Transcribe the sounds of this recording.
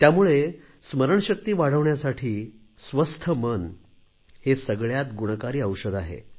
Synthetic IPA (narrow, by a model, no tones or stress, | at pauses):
t̪jamuɭe | sməɾəɳɕək̚t̪iːʋaɽ̤əʋɳjasaʈʰiː | sʋəst̪ʰəmən | hesəɡɭjat̪ɡuɳ̃əkaɾiːəwɕəd̪aɦḛ